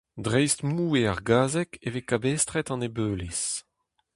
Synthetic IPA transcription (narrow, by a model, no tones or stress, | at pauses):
dʁɛjstmuːeaʁɡaːzɛkevekabɛst̪ʁɛt̪ɑ̃nebøːles